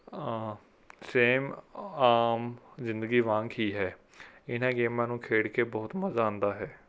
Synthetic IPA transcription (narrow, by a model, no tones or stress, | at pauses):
seːmaːmzɪ̃nd̪əɡiːʋãːŋkiːɦɛː | ɪnãːɡeːmãːnũːkʰeːɽkeːbɔːt̪məzaːʊ̃nd̪aːɦɛː